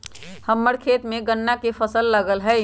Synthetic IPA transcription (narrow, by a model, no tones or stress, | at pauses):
həmːəɽkʰeːt̪mẽɡənːakepʰəsəlːəɡəlɦɛː